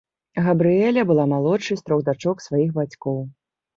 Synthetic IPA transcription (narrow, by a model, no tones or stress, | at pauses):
ɣɐbɾɨjɛlʲɐbɨlˠamalˠɔt͡ʂːɨjsʲt̪ɾɔɣd̪at͡ʂɔksvajixbat͡sʲkɔw